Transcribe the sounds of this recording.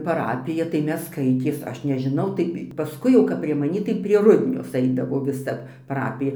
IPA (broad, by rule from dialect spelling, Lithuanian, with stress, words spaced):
pɐˈrɑːpʲɪjɛ tɐɪ ˈmʲɛs ˈskɐɪtʲeːs ˈɐʃ nʲɛʒʲɪˈnɐʊ tɐɪ pɐˈskʊɪ jɛʊ kɐp pʲrʲiɛ mɐˈnʲiː tɐɪ pʲrʲiɛ ˈrʊdʲnʲoːs ˈɐɪdɐʋoː ʋʲɪˈsɐ pɐˈrɑːpʲɪjɛ